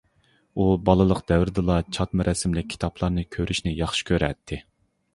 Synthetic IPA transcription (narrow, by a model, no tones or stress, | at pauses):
ubɑlˠɨlˠəqd̪̥ɛvɾd̪ɨlˠɑt͡ʃʰɑt̪mɨɾʔɛsɪmlɪk̚ʲʰːi̥t̪ʰɑpʰlˠɑɾnɨkʲʰøɾyʃnɪjɑχʃi̥kʲʰøɾɛ̰t̪ʰːɪ